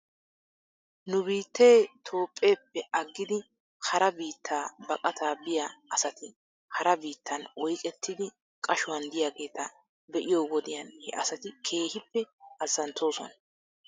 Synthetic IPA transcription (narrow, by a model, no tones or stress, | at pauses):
nʊbiːt̪ːe̞ːt̪ʰo̞ːpʼːe̞ːpːɛɐɡːɪd̪ɪ | hɐɾɐbiːt̪ʰːaːbɐkʼɐt̪ʰaːbɪjɐɐsɐt̪ɪ | hɐɾɐbiːt̪ːɐnɔjkʼɛt̪ʰːɪd̪ɪ | kʼɐʃʊwɐnd̪ɪjaɡe̞ːt̪ɐ | bɛʔɪjowɔd̪ɪjɐnhɛʔɐsɐt̪ɪkʰe̞ːhɪpːɛɐzːɐnt̪ːo̞ːsɔ̰nɐ